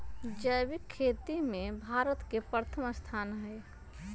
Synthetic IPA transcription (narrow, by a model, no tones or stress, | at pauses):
d͡ʒəjbɪkʰːeːt̪imẽbʱaːɾət̪kepəɾət̪ʰəməst̪ʰaːnɦɛɪ